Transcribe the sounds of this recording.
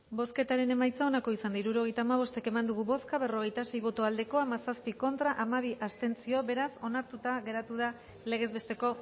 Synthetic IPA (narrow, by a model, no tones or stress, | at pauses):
bo̞ske̞t̪aɾe̞ne̞majt͡sao̞nako̞isand̪aiɾuɾo̞ɣ̞e̞jt̪aːmaβ̞o̞st̪e̞ke̞mand̪uɣ̞uβo̞skaβe̞ro̞ɣ̞e̞jt̪ase̞jβo̞t̪oald̪e̞ko̞amasaspiko̞nt̪ɾaʔamaβ̞iʔast̪e̞nt͡sio̞βe̞ɾaso̞naɾt̪ut̪aɣe̞ɾat̪uð̞a | le̞ɣ̞e̞zβe̞st̪e̞ko̞